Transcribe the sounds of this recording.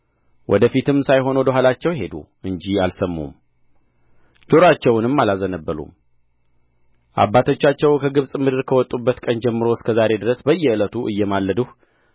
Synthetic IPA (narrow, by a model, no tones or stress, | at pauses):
wʔɔ̰d̪əfit̪ɨmsajɦo̞nwɔd̪əɦalat͡ʃːɛwɦe̞d̪ṵʔɨɲd͡ʒialsəmːṵm | d͡ʒ̪oɾat͡ʃːɛwnɨmːalazənəbːəlṵm | ʔa̰bːat̪ʰo̞t͡ʃːat͡ʃːɛwkʰəɡɨβsʼmɨd̪ɨɾkʰəwɔt̪ʼːubːət̪kʼənd͡ʒɛmːɨɾo̞skʰəzaɾe̞d̪ɨɾəsbəjːɛɨlət̪ʰuʔɨjːɛmalːəd̪uh